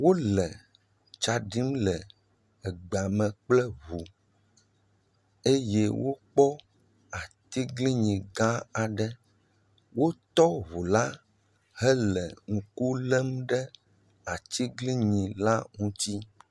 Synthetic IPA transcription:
wo˦lɛ˨ | t͡ʃa˨ɖi˦mlɛ˨ | ɛ˨ɡ͡ba˨mɛ̃˨k͡plɛ˦βu˨ | e˦je˦wo˦k͡pɔ˦ | a˨t̪i˦ɡli˦ɲĩ˨ɡã˦a˨ɖɛ˦ | wo˦t̪ɔ˦βu˨la˦ | hɛ˦lɛ̰˨ŋũ˨ku˦lɛ˦mɖɛ˦ | a˨t̪i˦ɡli˦ɲĩ˨la˦ŋũ˦t̪i˦

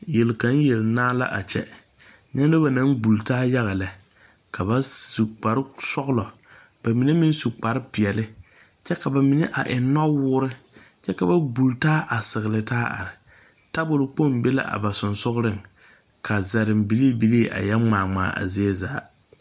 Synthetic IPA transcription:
je˨lka˨˦n˦jɛ˨lnaː˦la̰˦ʔa˨t͡ʃɛ̰˦ | ɲɛ˦n˦do˦ba˨na˦ŋɡ͡bu˨ltaː˦ja˦ɣa˨la˨ | ka˨ba˦su˨k͡pa˨ɾɪ˦sɔ˦ɣʊ˦lɔ˨ | b̥a˨mi˨ne˦mɪ˦n˦su˨k͡pa˨ɾɪ˦pɪ˨ɛ˨lɪ˦ | t͡ʃɛ˦ka˨ba˨mi˨ne˦ʔa˨ʔɪ˨˦nɔ˦wʊː˦ɾɪ˦ | t͡ʃɛ˦ka˨ba˦bu˨ltaː˦ʔa˨sɪ˨ɣɪ˨lɪ˨taː˦ʔa̰˨ɾɪ˨ | ta˦bʊ˨lʊ˨k͡po˦˨mbe˦la̰˦ʔa̰˨ba˨sʊ˨nsʊ˦ɣʊ˦ɾɪ˦ŋ | kʰa˨za˨ɾɪ˨mbi˨˦li˦bi˨˦le˦ʔa̰˨jɛ˦ŋ͡maː˨ŋ͡ma̰ː˨ʔa̰˨zi˦ɛ˦zaː˨˦

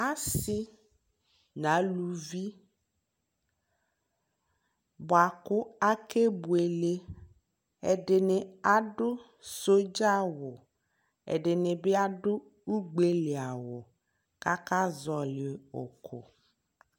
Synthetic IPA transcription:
a˦sɪ˦ | na˨˦lu˨vi˦ | ba˨kʊ˦a˦ke˦bu˨e˨le˦ | ɛ̰˨dɪ˨nɪ˨a˦dʊ˦ | so˦d͡ʒa˦wʊ˨ | ɛ̰˨dɪ˨nɪ˨bɪ˦a˦dʊ˦ | u˦ɡ͡be˦lɪ˨a˨wʊ˨ | ka˦ka˦zɔ˨lɪ˨ʊ̰˨kʰʊ˨

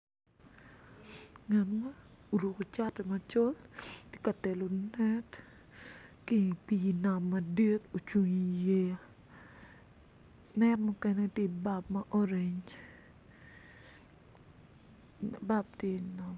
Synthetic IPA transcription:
ŋa˨nma˦u˨ɾu˨ko˨t͡ʃa˦tɛ˨ma˨t͡ʃo˦ltje˦ka˨tɛ˨lo˨nɛ˦t | ki˦pi˨na˨mːɐ˨di˦to˨t͡ʃu˨ɲi˨je˦a˨ | nɛ˦tmu˦kɛnɛ˦tje˦i˨ba˦pma˦ʔɔ˦ɾe˨ɲ | ba˦b̚tje˦˨nɔ˨m

